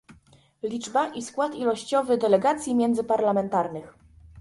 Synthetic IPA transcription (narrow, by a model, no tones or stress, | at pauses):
lʲid͡ʐbaʔiskwat̪ilɔɕt͡ɕɔvɘd̪ɛlɛɡat̪sʲjimʲjɛnd̪zɘpaɾlamɛnt̪aɾnɘx